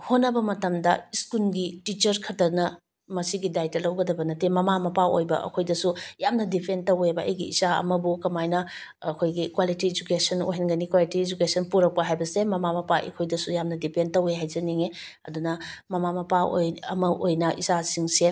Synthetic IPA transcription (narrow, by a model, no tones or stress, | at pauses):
honːɐbɐmɐtɐmdɐ̰iskulɡitit͡ʃɐɾkʰɐtɐnɐ | mɐsiɡidajtɐlɐwɡɐdɐbɐnɐtemɐmamɐpao̰jbɐ̰ʔɐ̰kʰojdɐsujamnɐdipʰentɐwebɐɐ̰jɡiḭzaɐ̰mɐbukɐmajnɐ | ɐkʰojɡikwalitied͡ʒukesɐno̰ɦenɡɐnikwalitied͡ʒukesɐnpuɾɐk̚pɐɦajbɐsemɐmamɐpaḭkʰojdɐsujamnɐdipʰentɐweɦajd͡ʒɐniŋe | ɐ̰dunɐmɐmamɐpao̰jɐmɐʔojnɐʔizasiŋse